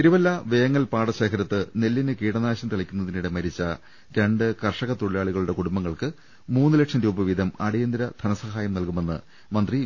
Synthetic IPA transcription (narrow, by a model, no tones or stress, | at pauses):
t̪iɾuʋɐlːɐʋeːŋːɐlpaːɽɐɕe̞ːkʰɐɾɐt̪ːɨne̞lːinɨkiːɽɐnaːɕɐmt̪ɐɭɐkʲːunːɐðiniɽe̞mɐɾit͡ɕːɐ | ɾeɳɖɨkɐrʂɐɣɐt̪oɭijaːɭiɣɐɭuɽe̞kuɽumbɐŋːɐɭkɨ | muːnːɨlekʂɐmɾuːbɐʋid̪ʱɐmɐɽijɐnd̪iɾɐd̪ʰʱɐnɐsɐhaːjɐmnɐlkume̞nːɨ̰ | mɐnd̪ri